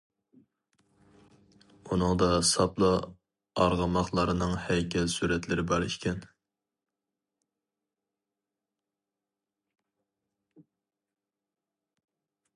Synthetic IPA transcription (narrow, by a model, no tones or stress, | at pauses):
unɨŋd̪ɑsɑplˠɑ | ɑ̰ɾʁɑmɑχlˠɑɾɨnɨŋhɛjkʲʰɛlsuɾɛt̪lɪɾɪbɑɾɨʃkʲɛn